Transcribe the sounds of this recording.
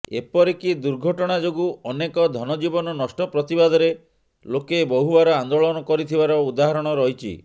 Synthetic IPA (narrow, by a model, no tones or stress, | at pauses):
ḛpɔɾikid̪uɾɡʱɔʈɔɽ̃ad͡ʒoɡuɔnekɔd̪ʱɔnɔd͡ʒibɔnɔnɔsʈɔpɾɔt̪ibad̪ʱɔɾe | lokebɔɦubaɾɔand̪oɭɔnɔkɔɾit̪ʰibaɾɔud̪aɦaɾɔɽ̃ɔɾɔɦit͡ʃʰḭ